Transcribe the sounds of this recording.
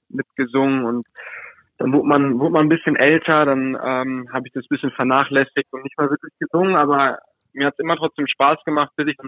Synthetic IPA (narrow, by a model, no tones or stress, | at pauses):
mɪtɡ̥əzʊŋənʊnt | d̥anvʊɐtmanvʊɐtmannbɪsçənʔɛltʰɐdanʔɛ̰ːmɦaːbəɪçd̥asb̥ɪsçənfɛɐnaːχlɛsɪç̚tʊntnɪçtmaːlvɪɐklɪçɡ̥əzʊŋənʔaːbɐ | miːɐhatsʔɪmɐtʁ̥ɔt͡sd̥eːmʃpaːsɡ̥əmaχtb̥ɪdɪçd̥an